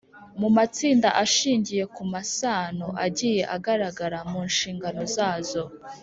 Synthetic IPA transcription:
mumat͡siːndaʔaʃiːɲɟije̞kumasaːnoʔaɟiːje̞ʔaɡaɾaɡaɾamuːnʃiːŋɡano̞zaːzo̞

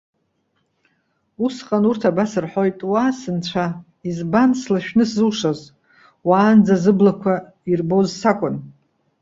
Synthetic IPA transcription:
usqʼanurtʰabasɨrħo̞jtʼwaːsɨnt͡ɕʷʰa | izbanslaʃᶣnɨszɨlʂaz | waːnd͡zazɨblakʷʰa | irbozsakʷʼʊn

